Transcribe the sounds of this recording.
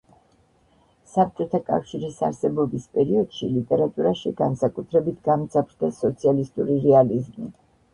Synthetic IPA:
sap̚ʰt͡ʃʼɔt̪ʰakʼa̰fʃiɾisa̰ɾsɛbɔbispʼɛɾiɔd̪̥ʃilit̪ʼɛɾat̪ʼuɾaʃiɡansakʼut̪ʰɾɛbit̪ʰɡamt̪sʰʼapʰɾd̪ɛsɔt̪sʰialist̪ʼuɾiɾɛalizmḭ

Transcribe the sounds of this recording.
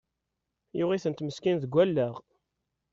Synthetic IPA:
jʊʁiθənt̪məskinðəɡʷːælːəʁ

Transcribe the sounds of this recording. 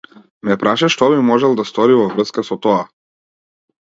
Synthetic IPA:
mɛpɾaʃaʃt̪ɔβimɔʒɛlˠd̪ast̪ɔɾivɔvɾəskasɔt̪ɔa

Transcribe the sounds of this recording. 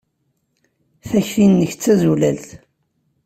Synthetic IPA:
θæçθinːəçt͡sːæzulælθ

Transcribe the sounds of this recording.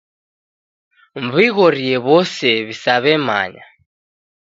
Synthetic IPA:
mβiɣɔɾiɛβɔsɛβisaβɛma̰ɲa̰

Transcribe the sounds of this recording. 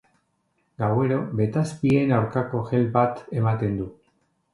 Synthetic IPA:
ɡawe̞ɾo̞be̞t̪aspie̞nawɾkako̞ʝe̞lbat̪e̞mat̪e̞nd̪u

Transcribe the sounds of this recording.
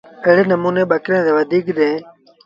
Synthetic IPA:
eɦɽeːnəmuːneːɓəkɾẽːd̪eːʋəd̪ʱiːkɗẽː

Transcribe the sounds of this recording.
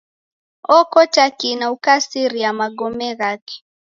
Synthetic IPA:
ɔkɔtakinaukasiɾiamaɡɔmɛɣaki̥

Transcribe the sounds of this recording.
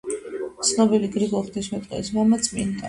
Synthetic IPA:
t̪sʰnɔbiliɡɾiɡɔχt̪ʰismɛt̪ʼqʼɛ̰smamat̪sʼmḭnd̪ʼa

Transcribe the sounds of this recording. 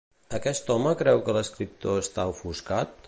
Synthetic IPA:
əkɛst̪ɔməkɾɛwkələskɾip̚t̪oəst̪aufuskat̪̚

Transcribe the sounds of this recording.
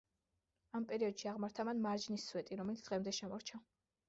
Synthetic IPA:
ampʼɛɾiɔd̪ʃiaʁmaɾt̪ʰamanmaɾd͡ʒnisːwɛt̪ʼiɾɔmɛlit̪d̪̥ʁɛmd̪ɛʃɛmɔɾt͡ʃʰa

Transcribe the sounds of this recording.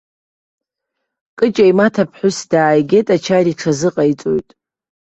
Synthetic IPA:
kʼɨt͡ʃʼaimatʰapʰħʷʊsd̥aːjɡʲe̞tʼat͡ʃʰaɾiʈ͡ʂʰazɨqʼajt͡sʼo̰jtʼ

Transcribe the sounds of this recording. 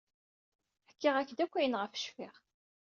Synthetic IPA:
ħkːiʁækːd̪ækʷːæjənʁəfə̥ʃfiʁ

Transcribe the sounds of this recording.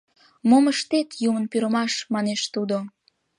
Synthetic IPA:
moməʃt̪et̪jumənpyɾəmɑʃmɑneʃt̪ud̪o

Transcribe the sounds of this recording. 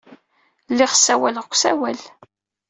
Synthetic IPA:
lːɪʁsːæwælʁkʷːsæwæl

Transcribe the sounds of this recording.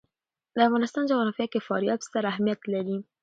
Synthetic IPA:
d̪əafɣɑnɪst̪ɑnd͡ʒaɣɑnɑfjakefɑ̰ɾjɑbst̪aɾahmijat̪laɾi

